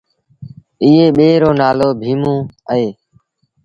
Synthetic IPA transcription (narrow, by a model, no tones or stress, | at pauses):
ɪːeːɓeːɾoːnaːloːbʱiːmõːəɦeː